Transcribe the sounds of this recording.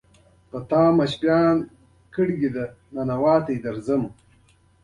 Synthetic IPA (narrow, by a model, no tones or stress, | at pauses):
pɐt̪ãːmɐɕpjaːn | kiɽɡid̪ɐ | nɐnɐwaːt̪ejd̪ɐɾzɐm